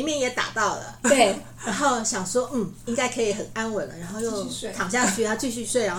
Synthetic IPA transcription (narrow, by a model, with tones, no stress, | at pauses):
i˧˦mjɛ˥˨njɛ˨˩t̪a̰˨˩t̪ɑ˥˨˩ʊlə̰˩t̪we˥˩ɪ | ɻa˧˥nxo˥˨ʊɕjɑ˨˩ŋswɔ˦˥nm̩˥˩i˥ŋka˥ɪkʰɤ˧˥i˨˩xə˨˩na˦˥nwə˨˩nlə̰˦ɻa˧˥nxo˥˧ʊjo˥˩ʊt̪ʰɑ˨˩ŋɕ̬ja˥˧t͡ɕʰy˥˨t̪ʰa˥t͡ɕʰy˥˧ɕy˥˧swe˥˩ɪɻa˧˦x